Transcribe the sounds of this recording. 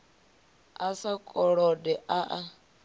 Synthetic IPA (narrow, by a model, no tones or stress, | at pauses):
asakʼɔɺɔdɛʔaʔa